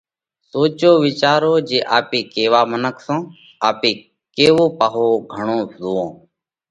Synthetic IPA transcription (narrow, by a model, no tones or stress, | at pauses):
soːt͡ʃoːʋɪt͡ʃaːɾoːd͡ʒeːʔaːpeːkeːʋaːmənəkʰsãː | aːpeː | keːʋoːpaːɦoːɡʱəɳõːzoːõː